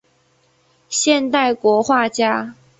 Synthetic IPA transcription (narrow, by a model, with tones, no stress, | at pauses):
ɕjɛ˥˧nt̪a˥˩ɪkwɔ˧˥xwa˥˨˩t͡ɕja˥